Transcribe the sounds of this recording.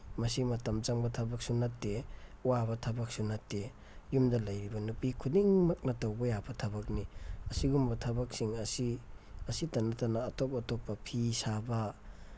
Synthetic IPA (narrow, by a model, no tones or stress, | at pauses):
mɐsimɐtɐmt͡ʃaŋbɐtʰɐbɐk̚sunɐtːeuwabɐtʰɐbɐk̚sunɐtːe | jumdɐlɐjɾibɐnupikʰudiŋmɐk̚nɐtawbɐjabɐtʰɐbɐk̚niɐsiɡumbɐtʰɐbɐk̚siŋɐsiɐsitɐnːatanaːtɔp̚ɐtɔpːɐpʰisabɐ